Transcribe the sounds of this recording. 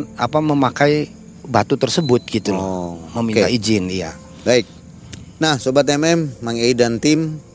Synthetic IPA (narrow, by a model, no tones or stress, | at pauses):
na̰paməmakaj | bat̪ut̪ərsəbʊt̪̚ɡ̥it̪uməmint̪aid͡ʒɪnija | baɪk̚ | nahsobat̪ɛmɛmːaŋeidant̪ɪm